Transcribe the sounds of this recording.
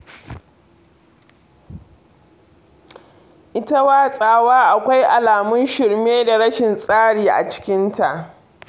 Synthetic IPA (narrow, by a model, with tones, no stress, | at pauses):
ʔɪ˦ta˦waː˦˨sʼaː˨waː˦ʔa˨kʷa˦jʔa˨laː˨mʊ˦nʃɪ˨ɽmeː˦da˨ɽɐ˦ʃɪ˨nsʼaː˦ɽiː˨ʔa̰˨t͡ʃɪ̥˦kʲɪ˦nta˨ʔ